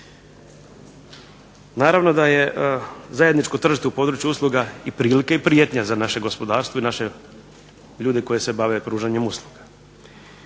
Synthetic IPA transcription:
naːɾaʋno̞d̪aje̞zaje̞d̪nit͡ʃkot̪r̩ʒit̪eupo̞ːd̪ɾuːt͡ʃjuuslˠuɡaipɾiːlikaipɾijet̪ɲazanaʃe̞ɡo̞spo̞d̪aːɾst̪ʋo̞inaʃe̞ | ʎuːd̪e̞kojese̞baʋe̞pɾuːʒaɲe̞muslˠuɡḁ

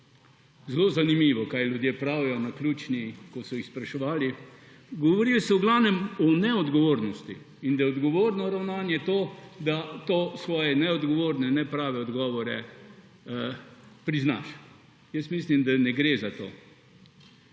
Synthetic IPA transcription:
zlozanimiːʋɔkajlʲjud̪jeːpɾaːwjɔnaklʲjuːt͡ʃnikɔsɔixspɾaʃɛʋaːli | ɡɔʋɔɾilsɛwɡlaːwnɛmɔnɛɔd̪ɡɔʋoːɾnɔst̪ḭ | ind̪aɛɔd̪ɡɔʋoːɾnɔɾawnaːnjɛt̪oːd̪at̪oːsʋɔːjɛnɛɔd̪ɡɔʋoːɾnɛnɛpɾaːʋɛɔd̪ɡɔːʋɔɾɛ | pɾizna̰ʃ | jəst̪mislimd̪anɛɡɾeːzat̪o̰ː

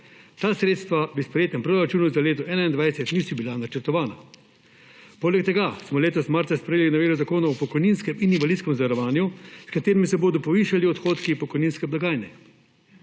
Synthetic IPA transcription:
t̪aːsɾeːt̪st̪ʋabispɾɛjeːt̪ɛmpɾɔɾat͡ʃuːnuzaleːt̪ɔʔɛːnaind̪ʋajsɛt̪nisibilanat͡ʃɛɾt̪ɔʋaːna | poːlɛkt̪ɛɡasmɔleːt̪ɔsmaɾt̪saspɾɛjeːlinaʋeːɾuzakoːnaɔpɔkɔjninskɛmininʋalid̪skɛmzʋaɾɔʋaːnjuskat̪eːɾimisɛboːd̪ɔpɔʋiːʃaliɔt̪xoːt̪kipɔkɔjniːnskɛblaɡaːjnɛ

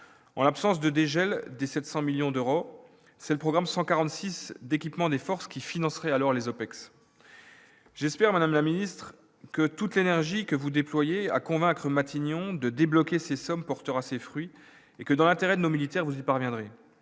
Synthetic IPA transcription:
ɑ̰̃lapsɑ̃s̬d̪əd̪eʒɛld̪esɛt̪sɑ̃miljɔ̃d̪øʁo | sɛləpχɔɡʁamsɑ̃kaʁɑ̃t̪sisd̪ekʲipmɑ̃d̪efɔʁskʲifinɑ̃sχɛalɔʁlezopɛks | ʒ̥ɛspɛʁmad̪amlaminist̪χ | kət̪ut̪lenɛʁʒikəvud̪eplwajea̰kɔ̃vɛ̃kχəmat̪ʰinjɔ̃d̪əd̪eblɔkʲesesɔmpɔʁt̪əʁasefχɥi | ekəd̪ɑ̃lɛ̃t̪eʁɛd̪ənomilit̪ɛʁvuzipaʁvjɛ̃d̪ʁe

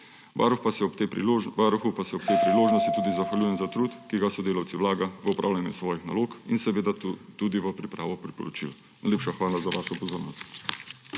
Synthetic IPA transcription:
ʋaɾuxpat̪eʋaɾuxupasɛɔp̚t̪eːpɾiloːʒnɔst̪it̪uːd̪izaxʋalʲjuːjɛmzat̪ɾuːt̪kiɡasɔd̪eːlawt̪siʋlaːɡaʋəɔpɾa̰ːwlʲjanjusʋɔːjixnaloːkinsɛʋeːd̪at̪uːd̪iʋəpɾipɾaːʋɔpɾipɔ̰ɾɔt͡ʃḭl | najleːpʃaxʋaːlazaʋaːʃɔpɔzoːɾnɔst̪

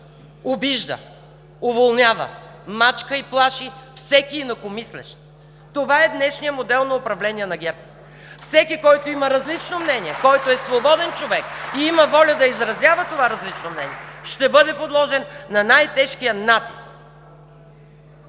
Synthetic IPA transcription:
obiʒd̪ə̰ | ʊvolˠnʲjavə̰ | mat͡ʃkəiplˠaʃifsɛkiːnɐkomislɛ̰ʃ | t̪ovaɛd̪nɛʃnijəmod̪ɛlˠnɐʊpɾɐvlɛniɛnɐɡʲɛɾp | fsɛkikɔjt̪oimɐɾɐzlit͡ʃnomnɛniɛkɔjt̪oɛsvobɔd̪ɛnt͡ʃovɛkiimɐvɔlʲəd̪ɐizɾɐzʲjavət̪ovaɾɐzlit͡ʃnomnɛniɛʃt̪ɛbɤd̪ɛpod̪lˠɔʒɛnːɐnajt̪ɛʃkijənat̪i̥sk̚

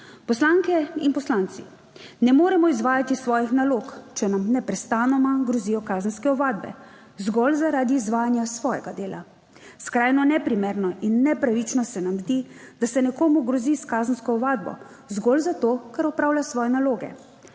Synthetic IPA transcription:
pɔslaːŋkɛinpɔslaːnt̪sḭ | nɛmoːɾɛmɔizʋaːjat̪isʋɔːjixnaloːkt͡ʃɛnamnɛpɾɛst̪aːnɔmaɡɾɔzijɔkaːzənskɛɔʋaːd̪bɛ̰ | zɡɔlzaɾaːd̪iːzʋaːjanjasʋɔːjɛɡad̪eːlʔa̰ | skɾaːjnɔnɛpɾimeːɾnɔʔinːɛpɾaʋit͡ʃnɔsɛnamzd̪id̪̥asɛnɛkoːmuɡɾɔziskaːzənskɔɔʋaːd̪̚bɔ̰ | zɡɔlzat̪oːkaɾɔpɾaːwlʲjasʋɔːjɛnaloːɡɛ̰

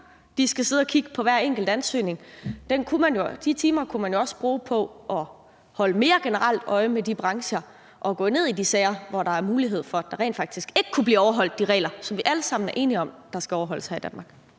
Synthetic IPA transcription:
d̥isɡ̥æse̝ð̞ˠɒ̽kʰiɡ̥əpʰɒ̽ʋæɐ̰eŋ̰ɡ̥l̩d̥ænsø̰ːne̝ŋd̥enkʰumænjo̝d̥it͡sʰiːmɐkʰumænjo̝ɒ̽sb̥ʁuːpʰɒ̽ʔɒ̽ | hɒ̽ləme̝ːɐɡ̥e̝nəʁɑl̰d̥ɒ̽ɪmedib̥ʁɑ̈ŋɕɐ | ʔɒ̽ɡ̥ɔ̰ne̝ð̞̰ˠidisɛːɪɐʋɒɾɑ̈æɐmuːliɦe̝ð̞̰ˠfɒ̽æd̥ɑ̈ʁɛ̰ːn̥fɑ̈ɡ̥d̥isɡ̥e̝ɡ̥əkʰub̥liːɒʊɐɦɒ̽l̰d̥̚ːiʁɛ̰ːlɐsɒ̽mʋiʔæləsɑ̈m̰n̩æɐʔe̝ːniɒ̽md̥ɑ̈sɡ̥æɒʊɐɦɒ̽l̰əshɑd̥ænmɑ̈ːɡ̥

